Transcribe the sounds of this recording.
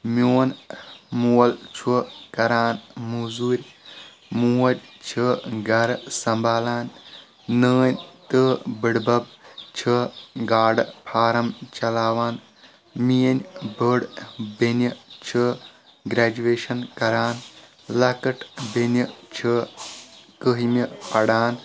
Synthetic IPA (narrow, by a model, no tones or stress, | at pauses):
mʲoːnmuːɐlt͡ʃʰukɐɾaːnmuzuːɾʲ | muːɐdʲt͡ʃʰɨɡɐɾsɐmbaːlaːn | nəːnʲt̪ɨbɨɽbɐb̚t͡ʃʰɨɡaːɽpʰaːɾɐmt͡ʃɐlaːʋaːn | mijɐnʲbəɽbenʲit͡ʃʰɨ | ɡɾaːd͡ʒueːʃɐnkɐɾaːn | lɐkɨʈbenʲit͡ʃʰɨ | kəɦimʲipɐɽaːn